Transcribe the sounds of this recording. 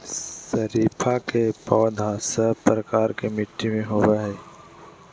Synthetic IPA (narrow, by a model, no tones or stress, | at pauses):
səɾiːpʰaːkeːpɔːd̪ʱaːsəpɾəkaːɾkeːmɪʈʰːimẽɦoːʋaɦeː